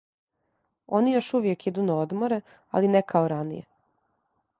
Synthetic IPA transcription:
o̞nijo̞ʃuʋjekid̪unaod̪moɾe | a̰linɛkʰaoɾanḭjḛ

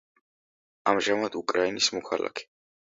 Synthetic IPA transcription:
amʒamad̪̥ukʼɾainismɔkʰala̰kʰɛ̥

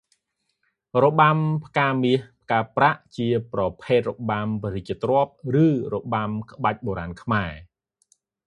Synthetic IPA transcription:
roɓampʰkaːmiəhp̚ʰkaːpraʔt͡ɕiəprɑpʰeːt̪̚roɓampric̚t͡ɕiət̪rŏəp̚rɨːroɓamkə̆ɓac̚ɓoːɾaːnkʰmaɛ

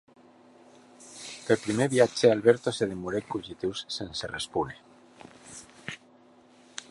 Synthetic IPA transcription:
peɾpɾimeβjat͡ʃealβeɾt̪oseð̞emuɾekuʎit̪iwssenserespune

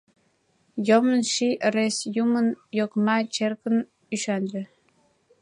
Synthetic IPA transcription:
jomənʃiʔəɾesjumənjokmɑt͡ɕerkən | yʃɑnɾĕ

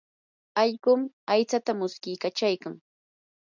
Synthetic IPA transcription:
ɑʎɢʊm | ajt͡sat̪amʊskɪjkat͡ʃajkaŋ

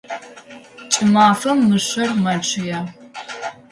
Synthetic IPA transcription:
t͡ʃʼɪmaːfɐmːɨɕɐrmɐʈ͡ʂʼʰɪjaː

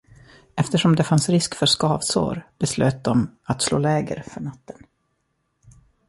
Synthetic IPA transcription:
ɛft̪əʂɔmd̪ɛfansɾɪskfœʂkɑːvso̰ːɾbɛsløːt̪̚d̪ɔmat̪slo̰ːlɛːɡə̰ɾfœɳat̪ːən

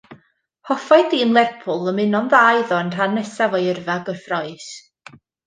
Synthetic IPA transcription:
hɔfaɨdiənlˠɛrpʰʊlˠəmɪnɔnðaːjðɔənr̥anːɛsavɔjərvaɡɔrfrɔɨs

